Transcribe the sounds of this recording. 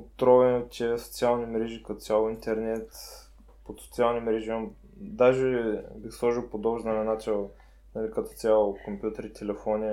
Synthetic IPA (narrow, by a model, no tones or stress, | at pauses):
ot̪ɾɔvɛnot̪ʲiso̥t̪sialˠnimɾɛʒikɐt̪ɔt̪sʲalˠoint̪ɛɾnɛt̪ | pot̪sot̪sialˠnʲimɾɛʒiɐm | d̪aʒɛbixslˠɔʒilˠpod̪ɔbʒd̪ɐnɐnat͡ʃɛlˠ | nɐlʲikɐt̪ɔ̥t̪sʲjalˠokompjut̪əɾit̪ʰʲɛlɛfɔnʲi